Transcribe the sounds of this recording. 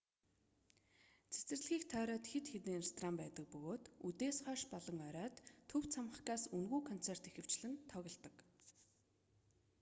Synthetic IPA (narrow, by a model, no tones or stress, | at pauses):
t͡sʰe̥t͡sɘ̆rɮɣiːkt̪ʰœːɾœːt̪xet̪xet̪iːŋrest̪ʰɔraːmpæːt̪ə̆k̚pɵɣoːt̪ut̪eːsχœːʃpɔɮɞ̆ŋœɾœːt̪ʰːɵw̥t͡sʰamə̆χkaːsɵnɣuːkʰɔn̥t͡sʰer̥t̪exɘ̆w̥t͡ɕɮɘ̆nt̪ʰɔɣʲɞ̆ɮt̪ə̆k